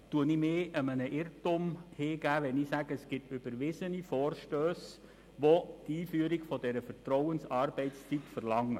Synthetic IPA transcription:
tuənimɪːʔəmənəʔɪrtʊmhɪːɡæːʋɛniːsæɡ̥əəsɡ̥ɪtʏb̥əɾʋɪsənifɔːrʃtøːs | ʋotiːfyəɾiɡfɔdɛɾəfəɾtrɔʊənsɑrb̥ɛɪtt͡st͡sitfərlɑŋːə

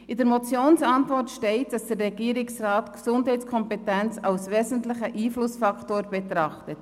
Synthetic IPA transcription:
ɪdəɾmɔt͡sjoːnsɑntvɔrtʃtɛɪt̚d̥ɑsd̥ərːɛɡ̥iəɾɪksraːtksʊndɦɛɪt͡sskʰɔmpɛtænt͡sɑlsʋɛːzn̩tlɪχəʔiːflʊsfɑktoːɾbɛt̪ɾɑχtət

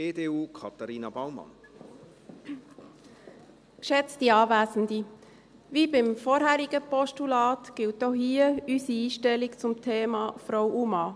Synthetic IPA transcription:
eːdeːuːkʰɑt̪ɑɾiːnɑbaʊmɑ̰n | kʃɛt͡stiɑːvæːsn̩di | vibɪmfɔːɾɦæːɾiɡəpɔʃtulɑːtɡ̥ɪlt̚dɔhiːəysiiːʃtɛlikt͡sʊmtʰeːmɑːfɾɔwʔumɑː

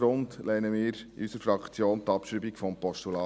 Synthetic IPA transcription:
ɾʊndlɛɪnəmɪːɾḭysəɾfɾɑkt͡sjoːnt̪ɑpʃɾibikfɔmpɔʃtulɑː

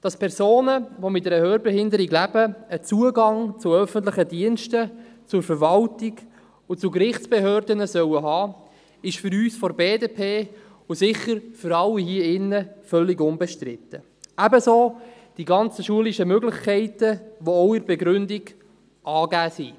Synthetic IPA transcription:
d̥ɑspʰɛɾsoːnəʋomɪt̚dɛɾəhøːɾbɛɦɪndəɾiɡlæb̥əət͡suəɡɑŋt͡sʊœfənt̬ləχədiənʃtə | t͡sʊɾfəɾʋɑltiɡ | ʊt͡sukɾɪχt͡sb̥ɛɦøːɾdənəsœwəɦɑː | ɪʃfʏɾyːsfɔɾbeːdeːpʰeː | ʊsɪχːəɾfʏɾɑlːiɦiəɪnːəfœlːiɡʊnbɛʃtɾɪt̪ːə | æbəsoː | d̥iɡɑnt͡səʃuəliʃəmøɡlɪχkʰɛɪtəʋoɔʊɪɾbɛɡɾʏndiɡ | ʔɑːɡæːsi

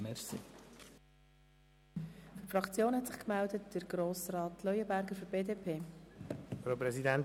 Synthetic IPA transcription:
mɛɾsḭ | fyɾfɾɑkt͡sjoːnhɛtsɪχkmældətd̥əɾɡ̥ɾoːsrɑːtlœjəbæɾɡəɾfyɾb̥eːdeːpʰeː | fɾopɾɛzidɛn

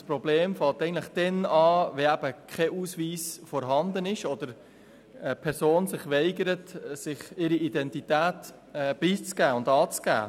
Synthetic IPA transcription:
spɾɔbleːmfɑltɛɪən̩tləχd̥ɛnɑːʋɛæb̥əkʰɛʔuːsʋiːsfɔɾɦɑnd̪ənɪʃɔdəɾ | ɛpʰɛɾsoːnsɪχʋɛɪɡəɾətsɪχɪɾiidɛntitæːt | ɛb̥iːt͡sɡæːʊndɑːt͡sɡ̥æ̰ː

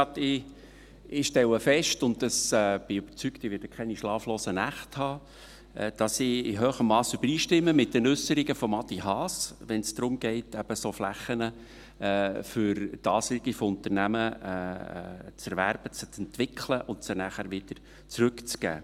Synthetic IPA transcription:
ɑt̪ɪ | ɪʃtɛləfɛʃtʊndəsɛb̥ɪyb̥əɾt͡syktɪʋɪɾd̥əkʰχɛɪniʃlɑːfloːsənæχthɑː | d̥ɑsɪɪɦøːχəmːɑːsyb̥əɾiːʃtɪmːəmɪt̚dɛnʏsəɾiɡəfɔmɑt̪iɦɑːsʋɛnsd̪̥ɾʊmɡ̥ɛɪtæb̥əsoflæχənə | fʏɾtɑːsɪɡifɔʊnt̪əɾnæmə̰ | t͡sɛɾʋæɾb̥ət͡st͡sɛnt̪ʋɪkʰləʔʊnsənæχæɾʋɪd̥əɾ | t͡sɾʏkt͡sɡ̥æ̰ː

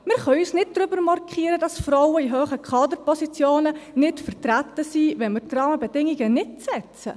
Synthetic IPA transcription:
mɪɾχœysnɪt̚d̥ɾʏbəɾmɑrkχiːəɾəd̥ɑsfɾɔwəiɦøːχəkʰɑːdəɾpɔsit͡sjoːnənɪtfərtɾætəsiːvɛnmɪɾtrɑːməbɛdɪŋiɡənɪt̚t͡sɛt͡sə̰

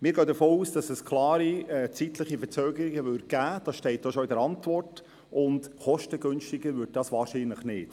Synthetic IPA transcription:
mɪːɾɡœːdəfoːuːsd̥ɑsɛskʰlˠɑːɾiɛt͡sit̪ləχifət͡søːɡəɾɪɡəʋʏɾd̚ɡ̥æːd̥ɑsʃtɛɪt̚d̥oʃɔɪdəɾɑntvɔrt | ʔʊndχɔʃtəɡønʃtɪɡəɾʋʏd̚d̥ɑsʋɑːɾʃiːnləχnɪːt

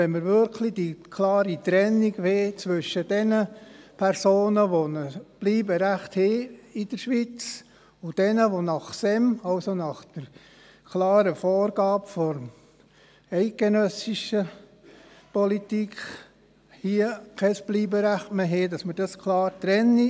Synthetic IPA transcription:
ɛnməɾʋʏɾkʰlid̥ikʰlɑːɾit̪ɾɛnːiɡʋeːt͡sʋʏʃəd̥ɛnəpʰɛɾsoːnəʋonəb̥liːbəɾæχtheid̥əɾʃʋit͡s | ʊd̥ɛnəʋonɑχsɛmɑwsonɑχd̥əɾ | kʰlɑːɾəfɔːɾɡ̥ɑːpfɔɾ | ɛɪɡ̚ɡ̥enœsiʃə | pɔlitik | hiəkʰɛsb̥liːbəɾæχtmeɦeːdɑsməd̥ɑskʰlɑːɾt̪ɾɛnːi

